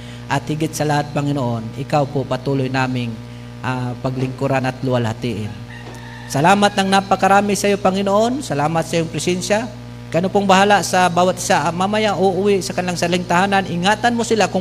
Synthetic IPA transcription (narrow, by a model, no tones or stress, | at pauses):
ʔɐt̪hɪɡɪt̪sɐlahat̪̚pɐŋɪnoʔonɪkawpopɐt̪uːlojnaːmɪŋ | ʔapɐɡlɪŋkʊɾanɐt̪lʊwalhat̪iʔɪn | sɐlaːmat̪̚nɐŋnapɐkɐɾaːmɪsɐjopɐŋɪnoʔonsɐlaːmat̪̚sɐjoŋpɾɪsɛnʃa | kɐʔɐnopʊŋbɐɦaːlasɐbaːwat̪ɪsaʔɐmamɐjaʔoʔʊwɪʔsɐkɐnɪlaŋsɐlɪŋt̪ahaːnanʔɪŋaːt̪anmosɪlakʊ